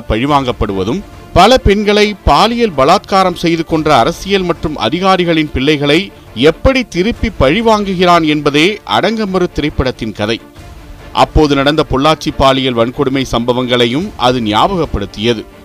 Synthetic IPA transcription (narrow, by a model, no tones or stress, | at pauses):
pɐɻɪʋaːŋɡɐpːɐɽɯʋɐðɯm | pɐlɐpɛɳɡɐɭɐɪpaːlɪjɐlbɐlaːt̪̚kaːɾɐmsɛjðɯkɔndrɐːɾɐsɪjɐlmɐʈrɯmʔɐ̰ðɪɣaːɾɪɣɐɭɪnpɪɭːɐɪɣɐɭɐɪ | ɛpːɐɽit̪ɪɾɯpːipːɐɻɪʋaːŋɡɯɣɪɾaːnɛnbɐðeːʔɐ̰ɽɐŋɡɐmɐɾɯt̪ːɪɾɐɪpːɐɽɐt̪ːɪnkɐðɐɪ | ʔɐ̰pːoːðɯnɐɽɐnd̪ɐpɔɭːaːʈ̚t͡ʃipːaːlɪjɐlʋɐɳkɔɽɯmɐɪsɐmbɐʋɐŋɡɐɭɐjɯmʔɐ̰ðɯnɪja̰ːbɐɣɐpːɐɽɯt̪ːɪjɐðɯ